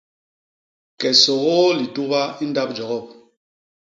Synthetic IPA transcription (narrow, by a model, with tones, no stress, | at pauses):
kɛ˨sɔ˨ɣɔ˦li˨tu˦ba˦i˦n˦da˦p̚d͡ʒɔ˨ɣɔ˦˨p̚